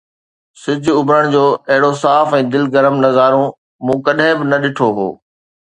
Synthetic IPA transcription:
sɪd͡ʑʱʊʊbɾəɽ̃d͡ʑoːɐɦɪɽosaːfɛ̃ːd̪ɪlɡɐɾəmnɐɣaːɾõ | mũːkɐɗɪ̃bɪnɐɗɪʈʰoɦo̰ː

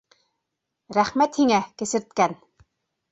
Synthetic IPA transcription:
ɾæχmæt̪hiŋækĕsɘ̆rt̪̚kæn

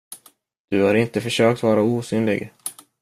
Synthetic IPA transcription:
d̪̥ɵhaɾɪnt̪əfœʂøːk̚t̪vɑːɾauːsyːnlɪ̰ɡ

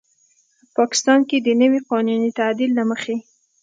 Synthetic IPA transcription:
pɑkɪ̥st̪ɑnked̪ənəwiqɑnunit̪ad̪ilːaməxe

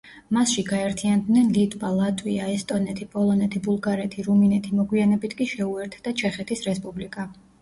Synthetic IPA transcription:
masʃiɡaɛɾt̪ʰiand̪nɛnlit̪ʼwalˠat̪ʼwiaɛst̪ʼɔnɛt̪ʰipʼɔlˠɔnɛt̪ʰibulˠɡaɾɛt̪ʰiɾuminɛt̪ʰimɔɡwianɛbit̪ʰkʼiʃɛuɛɾt̪ʰd̪̥at͡ʃʰɛχɛt̪ʰisɾɛspʼublikʼa

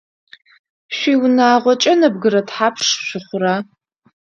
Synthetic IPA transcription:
ɕʷiːwnaːʁʷɔt͡ʃʼɐnɐb̚ɡɨɾɐtħaːpʰʂɕʷɪχʷʊɾaː

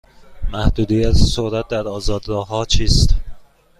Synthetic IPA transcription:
mæhd̪uːd̪ijæt̪ʰsoɾæt̪̚d̪æɾɒːzɒːd̪ɡɒːɦɒːt͡ʃʰiːst̪

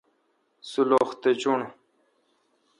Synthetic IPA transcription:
suloːxt̪et͡ɕuɳ

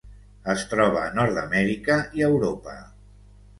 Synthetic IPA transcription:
əst̪ɾɔβ̞əːnɔɾðəmɛɾikəiəwɾopə̰

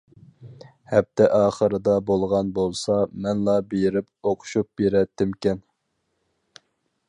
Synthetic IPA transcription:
hɛp̚t̪ʰɛʔɑːχəɾɨd̪ɑbolˠʁɑnbolˠsɑmɛnlˠɑbeɾɪp̚oqʰʊ̥ʃup̚beɾɛt̪ʰːɪmkʲɛn

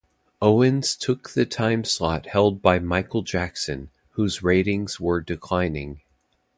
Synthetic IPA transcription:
oʊɨ̃nz̥tʰʊk̚ðɨtʰãɪ̃mslɑt̚hɛlˠd̚baɪmaɪkl̩ˠd͡ʒæksɨ̃n | huzɹeɪɾɪ̃ŋz̥wə˞dɨkʰl̥ãɪ̃nɪ̰̃ŋ

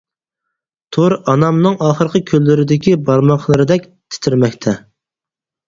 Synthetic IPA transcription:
t̪ʰoɾɑnɑmnɨŋɑːχəɾqʰəkʲʰølːɪɾɪd̪ɪkʲibɑɾmɑχlˠɨɾɨd̪ɛkʲt̪ʰɪ̥t̪ʰɪɾmɛkʲt̪ʰɛ

